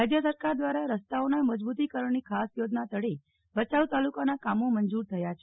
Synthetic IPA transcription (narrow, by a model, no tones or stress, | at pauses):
ad͡ʒjəsəɾkaɾd̪ʋaɾaɾəst̪aonaməd͡ʒbut̪̬ikəɾəɳnikʰasjod͡ʒnat̪əɽe | bət͡ʃaʋt̪alukanakamomənd͡ʒuɾt̪ʰəjat͡ʃʰe